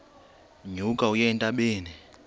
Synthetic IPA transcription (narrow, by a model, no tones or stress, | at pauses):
ɲukʼaujɛntʼaɓeːni